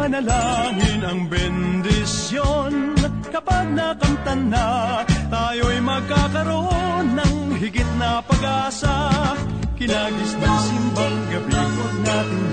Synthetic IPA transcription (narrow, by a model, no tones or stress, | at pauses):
ɐnɐlaŋɪnɐŋbɛnd̪ɪsjon | kɐpaɡ̚nɐkɐmt̪ɐnːat̪aːjo̞ɐjmɐɡ̚kakɐɾo̞nːɐŋɦɪɡɪt̪̚nɐpɐɡaːsɐ | kɪnaːɡɪsnɐsɪmbɐŋɡɐbikonaːt̪ɪn